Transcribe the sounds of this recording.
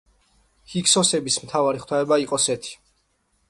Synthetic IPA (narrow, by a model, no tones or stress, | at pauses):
hiksɔsɛbismt̪ʰavaɾiχt̪ʰaɛbaiqʼɔsɛt̪ʰi̥